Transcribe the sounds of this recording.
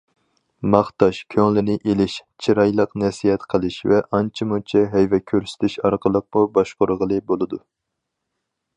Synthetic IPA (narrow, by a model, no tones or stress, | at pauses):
mɑχt̪ɑʃkʲʰøŋlɪnɪʔelɪʃt͡ʃʰiɾɑjlˠəqnɛsijɛt̪qʰəlˠɨʃvɛʔɑnt͡ʃʰimut͡ʃʰɛɦɛjvɛkʲʰøɾsy̥t̪ʰɪʃɑɾqʰəlˠəq̚mubɑʃqoɾʁəlˠɨbolˠɨd̪u